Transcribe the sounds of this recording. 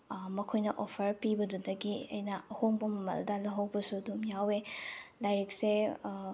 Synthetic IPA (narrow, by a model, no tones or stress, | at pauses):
mɐkʰojnɐʔopʰɐɾpibɐdudɐɡiɐ̰jnɐɐhoŋbɐmɐmɐ̰ldɐlɐɦɐwbɐsuɐdumjawelajɾik̚se